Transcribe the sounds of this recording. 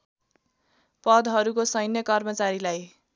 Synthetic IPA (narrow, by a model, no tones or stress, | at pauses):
pʌd̪ɦʌɾukosʌjnjʌkʌrmʌt͡saɾilaj